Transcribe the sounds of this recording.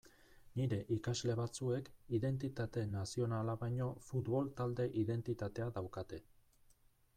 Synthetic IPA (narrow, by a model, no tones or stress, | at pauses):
niɾe̞ʔikazle̞βat͡sue̞kiðe̞nt̪it̪at̪e̞nasio̞nalaβajɲo̞fut̪βo̞lt̪ald̪e̞ʔiðe̞nt̪it̪at̪e̞aðawkat̪e̞